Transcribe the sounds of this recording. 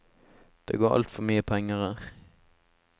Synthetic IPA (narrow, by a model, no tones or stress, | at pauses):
d̪̥ḛːɡoːʔɑ̰lt̪fɔmyːəpʰɛŋəʁə